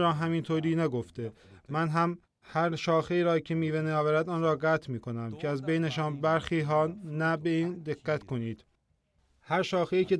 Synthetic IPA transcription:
ɾɒːɦæmint̪ʰoːɾiːnæɡoft̪e̞ | mænɦæm | hæɾʃɒːxeiːɾɒːcʰemiːveneɒːvæɾæd̪ɒːnɾɒːɢæt̪ʰmiːkʰo̞næmcʰeæzbe̞jneʃɒːnbæɾxiːɦɒːnæbe̞iːnd̪e̞ɣːæt̪kʰo̞niːd̪̥ | hæɾʃɒːxeiːce̞

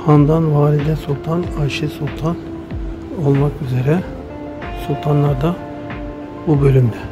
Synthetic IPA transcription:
hand̪anvaːɾid̪ɛsulˠt̪ʰanaʃisulˠt̪ʰan | olˠmakyze̞ɾɛ | sulˠt̪ʰanlˠaɾd̪a | bubø̞lʲymd̪ɛ

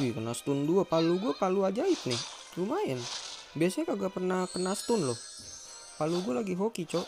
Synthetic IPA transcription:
ikənast̪unduapaluɡuapaluad͡ʒait̪̚nɪh | ɾumaɛn | biasakaɡaʔpərnahkənast̪ʊnlɔh | paluɡualaɡiɦokit͡ʃɔʔ

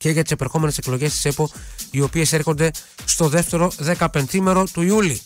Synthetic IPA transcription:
ce̞ʝɐt̪i̥sepeɾxo̞me̞ne̞seklo̞ʝe̞st̪i̥se̞po̞io̞pie̞se̞ɾxond̪e̞ | st̪o̞ðe̞ft̪e̞ɾo̞ðe̞kɐpe̞nθime̞ɾo̞t̪uiuli

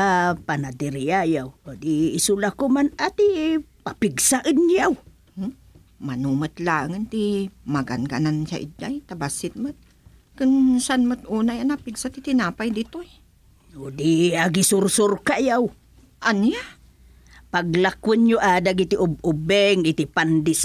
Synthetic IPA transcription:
apanat̪ɪɾjajawod̪iːsulakʊmanat̪ipapɪɡsaʔənjaw | manumət̪laːŋənt̪imaɡa̰nɡa̰nanʃa̰ʔḭd͡ʒajt̪abasɪt̪̚mət̪̚ | kɨnsanmət̪̚ʔuːnajanapiɡsat̪it̪ɪnaːpajd̪it̪oj | od̪iaɡisʊrsʊrkajaw | ʔana | paɡlakwənjoʔaːd̪aɡit̪iʔʊb̚ʊbɛŋit̪ɪpand̪is

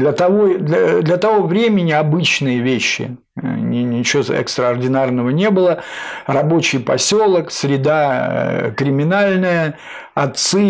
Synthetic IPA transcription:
lʲət̪ɐvod̪ʲəd̪lʲət̪ɐvo̞vɾʲemʲɪnʲɪɐbɨt͡ɕnɨjəvʲeɕːɪ̰ | nʲɪt͡ɕɪoɛ̰kst̪ɾəɐrdʲɪnarnəvənʲe̞bɨlˠərɐbo̞t͡ɕɪjpɐsʲo̞lˠəksʲɾʲɪd̪a | kɾʲɪmʲɪnalʲnɨjə | ɐt̪sɨ

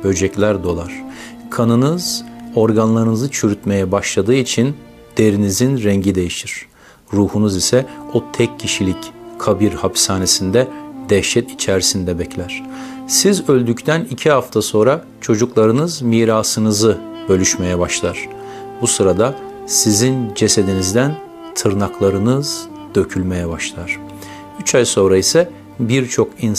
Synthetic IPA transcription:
bø̞d͡ʒɛclʲæɾd̪o̞lˠaɾ̥kʰanɯnɯz̥o̞ɾɡanlˠaɾɯnɯzɯt͡ʃʰyɾyt̪me̞jɛbaʃlˠad̪ɯːit͡ʃʰin | d̪̥e̞ɾinizinɾɛɲɟid̪e̞jiʃiɾ̥ | ɾuːhunuzisɛot̪ʰɛcʰːiʃilʲickʰabiɾhapsaːne̞sind̪ɛd̪ɛʃɛt̪ʰit͡ʃʰæɾsind̪ɛbɛclʲæɾ̝̥ | sizø̞lʲd̪yct̪ʰænicʰihaft̪ʰaso̞nɾa | t͡ʃʰo̞d͡ʒuklˠaɾɯnɯzmiːɾaːsɯnɯzɯ | bø̞lʲyʃme̞jɛbaʃlˠaɾ̥ | busɯɾad̪a | sizind͡ʒe̞se̞d̪inizd̪æn | t̪ʰɯɾnaklˠaɾɯnɯz̥ | d̪̥ø̞cʰylʲme̞jɛbaʃlˠaɾ̥ | yt͡ʃʰajso̞nɾaisɛ | biɾt͡ʃʰo̞kin

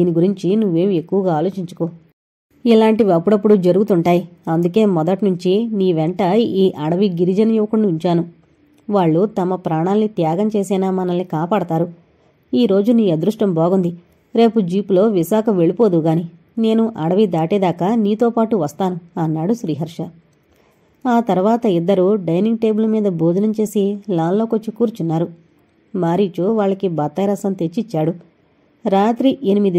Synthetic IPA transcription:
iːniɡuɾiɲt͡ʃinuʋːe̞ːme̞kːuʋɐɡaːaːlo̞ːt͡ʃiɲt͡ʃu̥koː | ilaːɳʈiʋɐpːuɽɐpːuɽud͡ʒɐɾuɡut̪uɳʈaːjiɐnd̪uke̞ːmɔd̪ɐʈnuɲt͡ʃiniːʋɛɳʈɐiːʔɐɽɐʋiɡiɾid͡ʒɐnɐjuʋɐkuɳːuiɲt͡ʃaːnu | ʋaːɭːut̪ɐmɐpɾaːɳaːlnit̪jaːɡɐmt͡ʃe̞ːsɛːnaːmɐnɐlnikaːpaːɽɐt̪aːɾu | iːɾo̞ːd͡ʒuniːɐd̪ɾuʂʈɐmbɔːɡund̪i | ɾe̞ːpud͡ʒiːplo̞ːʋiʃaːkʰɐʋe̞ɭipo̞ːd̪uɡaːni | ne̞ːnuʔɐɽɐʋid̪aːʈeːd̪aːkaːniːt̪o̞ːpaːʈuʋɐst̪aːnuɐnːaːɽuʃɾiːɦɐɾʂɐ | aːt̪ɐɾʋaːt̪ɐid̪ːɐɾuɖɐjniŋɡ̚ʈe̞ːbulɐmiːd̪ɐboːd̪ʱnɐmt͡ʃe̞ːsilaːnlo̞ːkot͡ʃːikːuːɾt͡ʃunːaːɾu | maːɾiːt͡ʃoːʋaːɭːɐkibɐt̪ːaːjɾɐsɐnt̪e̞t͡ʃːit͡ʃːaːɽu | ɾaːt̪ɾiʔenimid̪i

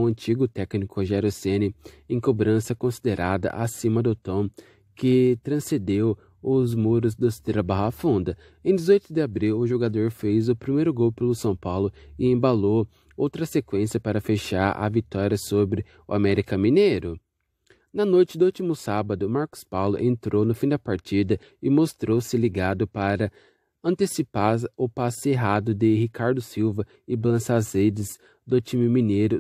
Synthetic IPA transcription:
ɐ̃nt͡ʃiɡʊt̪ɛknikʊʒɛɾosẽnɪẽkobɾɐ̃sɐkõsid̪eɾʔad̪ɐ̰ʔasĩmɐd̪ʊt̪õ | kɪt̪ɾɐ̃sed̪ew | ʊzmuɾʊzd̪ʊst̪eɾɐbaɦafũd̪ɐ | ẽj̃d̪ɪzojt̪ʊd̪ɪabɾiwʊʒoɡad̪oɾfejzʊpɾimejɾʊɡowpelʊsɐ̃w̃pawlʊɪẽbalo | owt̪ɾɐsekwẽsiɐpaɾɐfeʃaɾɐ̰vit̪ɔɾiɐsobɾɪ | ʊamɛɾikɐmĩnejɾʊ | nɐnojt͡ʃɪd̪ʊut͡ʃimʊsabɐd̪ʊmaɾkʊ̥spawlʊʔẽnt̪ɾownʊfĩd̪ɐpaɾt͡ʃid̪ɐ | ɪmost̪ɾowsɪliɡad̪ʊpaɾɐ | ɐ̃nt̪esipaɾʊpaseɦad̪ʊd̪ɪhikaɾd̪ʊsiwvɐ | ɪblɐ̃sazed͡ʒɪz | d̪ʊt͡ʃĩmɪmĩnejɾʊ

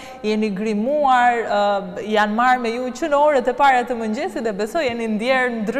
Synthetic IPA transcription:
jɛniɡɾimuaɾ | janmaɾmɛjut͡ʃɨnɔɾət̪ɛpaɾat̪əməɲd͡ʒɛsid̪ɛbɛsɔjɛnind̪jɛɾnd̪ɾ

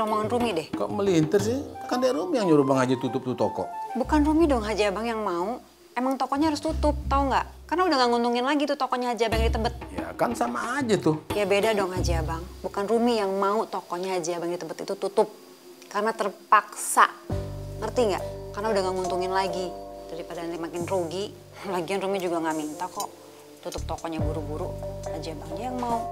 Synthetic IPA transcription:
ɾomɔŋanrumidɛhka̰ʔməlint̪ərs̬ɪhakandiaɾumijaŋɲaɾubaŋad͡ʒat̪ut̪ʊp̚t̪ut̪ɔkɔ̰ʔbukanrumidɔŋɦad͡ʒiabaŋjaŋmau | emaŋt̪okɔʔɲaɦaɾʊst̪ut̪ʊp̚t̪auŋɡaʔ | karnaudahŋɡaŋunt̪uŋɪnlaɡit̪ut̪ɔkɔʔɲaɦad͡ʒaabajaŋdit̪əbət̪̚ja̰kansamaːd͡ʒat̪ʊjabedadɔŋɦad͡ʒiabaŋbukanrumijaŋmaut̪ɔkɔɲaɦad͡ʒiabaŋdit̪əmbət̪ḭt̪ut̪ut̪ʊp̚ | karənat̪ərpaksa̰ŋərt̪iŋɡa̰ʔkarnaudahŋɡaʔŋunt̪uŋɪnlaɡid͡ʒadipadanɪŋmakɪnruɡi | baɡianrumid͡ʒuɡaŋaʔmint̪akɔʔ | t̪ut̪ʊp̚t̪ɔkɔʔɲabuɾubuɾuhad͡ʒiabaŋɲajaŋmau

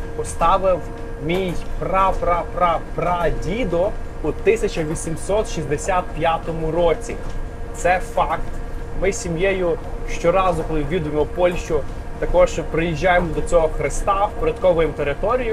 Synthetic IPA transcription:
pɔst̪ɑʋɪw | mʲijprɑpɾɑpɾɑpɾɑdʲid̪ɔ | ut̪ɪsʲɐt͡ʃɐʋʲisʲimsɔt̪ʃizd̪esʲat̪̚pʲjat̪ɔmʊɾɔt͡sʲit̪sɛfɑkt̪mɪsʲimjɛjʊʃt͡ʃɔɾɑzʊkɔlˠɪʋʲid̪ʊjemɔpɔlʲʃt͡ʃʊ | t̪ɐkɔʒpɾɪjiʒʲːajemɔd̪ɔt͡sʲɔɦɔxɾɪst̪ɑwpɔɾʲɐd̪kɔʋɔjɛmt̪eɾɪt̪ɔɾʲijʊ

